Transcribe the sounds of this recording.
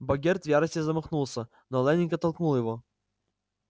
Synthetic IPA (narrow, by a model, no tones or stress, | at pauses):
bɐɡʲert̪vʲjaɾəsʲtʲɪzəmɐxnulˠsʲə | nɔlˠɛnʲɪnʲkɐt̪ːɐlˠknulˠjɪvo